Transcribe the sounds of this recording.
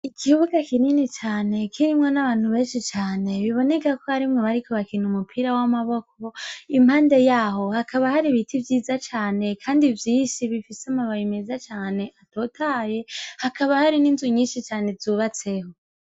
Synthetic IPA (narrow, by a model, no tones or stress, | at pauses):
ikʰiuβukakininit͡ʃaːne̞kʰiɾimŋo̞naβaːn̥huβe̞ːnʃit͡ʃaːne̞βiβo̞ne̞kako̞haɾimŋo̞βaɾikʰo̞βakinumupʰiɾawamaβo̞ko̞im̥haːnde̞jaːɦo̞hakʰaβahaɾiβitʰivjiːzat͡ʃaːne̞kʰaːndivjiːnʃiβifiseamaβajimezat͡ʃaːne̞ʔatoːtʰaːje̞hakaβahaɾiniːnzuɲiːnʃit͡ʃaːne̞zuːβat͡se̞ho̞